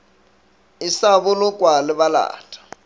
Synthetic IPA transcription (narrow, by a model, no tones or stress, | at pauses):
ɪsaβʊlʊkʼwalɪβala̰ːtʰʼḁ